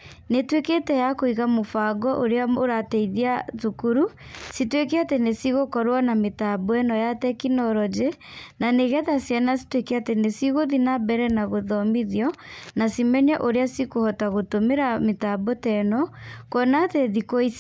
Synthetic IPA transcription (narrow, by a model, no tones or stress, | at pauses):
netweketɛjakoiɣamofaɡɔʔoɾeaoɾatɛiðiatukuɾusitwekeatenesiɣokɔɾwanametabɔɛnɔjatɛkinɔɾɔd͡ʒe | naneɣɛðasiɛnasi̥twekeatenesiɣoðinabɛɾɛnaɣoðɔmiðjɔnasimɛɲɛʔoɾeasikohɔtaɣotomeɾametabɔtɛnɔkɔnateðikois